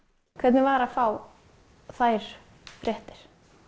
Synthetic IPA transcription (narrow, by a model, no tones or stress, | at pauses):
kʰvɛt̪nɪvaːɾafaw | θajɾ̥ | fɾʔɛht̪ɪɾ̥